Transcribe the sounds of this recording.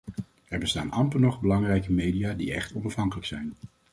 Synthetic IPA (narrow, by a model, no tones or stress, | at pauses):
ɛɹbəstaːnɑmpənɔχbəlɑŋrɛjkəmejdijaːdḭɛ̰χtɔnɑfɦɑŋkələksɛjn